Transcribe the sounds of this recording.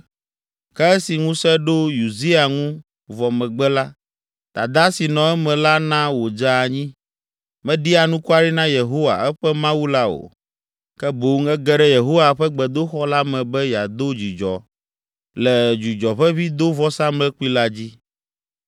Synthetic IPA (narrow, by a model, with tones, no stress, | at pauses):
kɛ˦ɛ˦si˨ŋũ˦sɛ˦ɖo˦ju˨zi˦a˨ŋũ˦ | vɔ˨mɛ̃˨ɡ͡bɛ˦la˦ | t̪a˨d̪a˦si˨nɔ̃˨ɛ˦mɛ̃˨la˦nã˦wo˨d͡ʒa˦˨ɲĩ˦ | mɛ̃˦ɖi˦a˨nũ˦ku˦a˦ɖi˦nã˦je˨ɦo˦wa̰˨ɛ˦ɸɛ˦mã˦wu˦la˦o̰˨ | kɛ˦bo˨˦ŋɛ˦ɡɛ˦ɖɛ˦je˨ɦo˦wa˨ɸɛ˦ɡ͡bɛ˨d̪o˦xɔ˦la˦mɛ̃˨bɛ˦ja˨d̪o˦d͡ʑi˨d͡ʒɔ̰˨ | lɛ˨d͡ʒu˨d͡ʒɔ˨ɸɛ˦βi˦d̪o˦vɔ˦sã˦mlɛ˦k͡pu˦i˦la˦d͡ʑi˦